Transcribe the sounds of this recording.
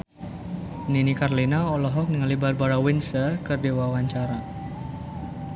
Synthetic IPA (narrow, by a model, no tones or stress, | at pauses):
ninikarlinaɔlɔɦɔk̚niŋalibarbaɾawinsəkərdewawaɲt͡ʃaɾa